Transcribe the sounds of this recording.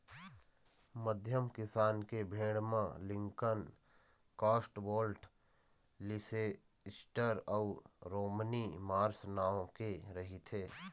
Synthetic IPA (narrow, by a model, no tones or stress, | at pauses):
məd̪ʱjəmkɪsaːnkebʱẽːɽmã̰lɪ̃ŋkən | kaːsʈboːlʈ | lɪse | ɪsʈəɾɔːɾoːmnimaːɾsnaːõkeɾɐɦit̪ʰeː